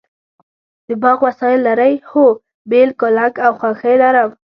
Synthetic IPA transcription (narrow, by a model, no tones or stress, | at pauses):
d̪̥əbɑɣwasɑjɪlːaɾəjho | belkolaɡawxwaxəjlaɾaw